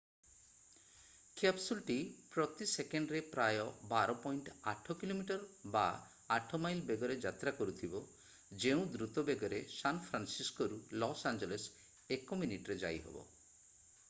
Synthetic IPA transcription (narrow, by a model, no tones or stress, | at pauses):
kʰapsulʈipɾɔt̪isekeɳɖɾepɾajɔbaɾɔpɔjɳʈa̰ʈʰɔkilomiʈɔɾba | aʈʰɔmajlbeɡɔɾed͡ʒat̪ɾakɔɾut̪ʰibɔ | d͡ʒeũd̪ɾut̪ɔbeɡɔɾesanpʰɾansiskɔɾulɔsand͡ʒeles | ekɔminiʈɔɾed͡ʒa̰jɦɔ̰bɔ̰